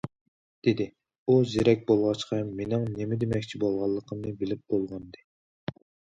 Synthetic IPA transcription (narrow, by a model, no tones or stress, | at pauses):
d̪̥ed̪ɪ | uzeɾɛk̚ʲbolˠʁɑt͡ʃqʰɑmenɪŋnemɪd̪emɛkʲt͡ʃʰibolˠʁɑlˠːəqʰəmnɨbɪlɪp̚bolˠʁɑnd̪ɨ